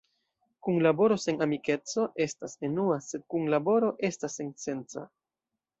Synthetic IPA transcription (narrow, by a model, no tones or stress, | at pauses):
kunlabo̞ɾo̞se̞namike̞t͡so̞ʔe̞stase̞nuase̞d̪̚kunlabo̞ɾo̞ʔe̞stase̞nse̞nt͡sa̰